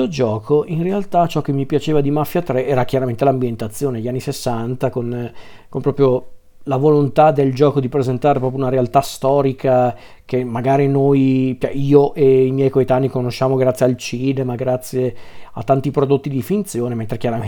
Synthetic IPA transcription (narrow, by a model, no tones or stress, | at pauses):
od͡ʒɔːkʰoʔinrealt̪at͡ʃɔkːemːipjat͡ʃeːvad̪imafːjat̪ɾɛɛːɾak̟jaɾament̪elambjent̪at̪sːjoːneeʎːianːisesːant̪akon | kompɾɔːpɾjo | lavolont̪ad̪eld͡ʒɔːkod̪ipɾezent̪aːɾepɾɔpjounaɾealt̪ast̪ɔːɾikʰa | kemːaɡaːɾinojpɛʔiːoʔeimjɛjkoet̪anːikonoʃaːmoɡɾat̪sːjealt͡ʃid̪emaɡɾat̪sːjea̰t̪ːant̪ipɾod̪ot̪ːid̪ifint̪sjoːnement̪ɾekjaɾa